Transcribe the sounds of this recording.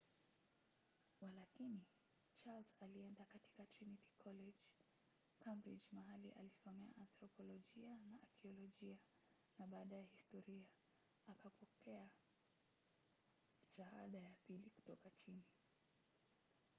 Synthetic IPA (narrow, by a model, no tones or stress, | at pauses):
walakini | t͡ʃalzaliɛndakati̥katɾiniti̥kʰɔlɛd͡ʒ | kʰambɾid͡ʒmaɦaliʔa̰lisɔmɛa̰ʔanθɾɔpɔlɔʄianaːkiɔlɔʄia | naɓaːɗajɛhistɔɾia | akapɔkɛa | ʃaha̰ɗajapiliku̥tɔkat͡ʃini